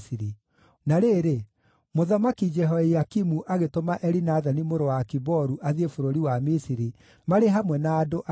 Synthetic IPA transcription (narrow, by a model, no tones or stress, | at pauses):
siɾi | naɾeːɾe | moðamakid͡ʒɛɦɔejakimuʔaɣetomaʔɛɾinaðanimoɾowakibɔɾuʔaðiefoɾoɾiwamisiɾi | maɾeɦamwɛnaːdoʔa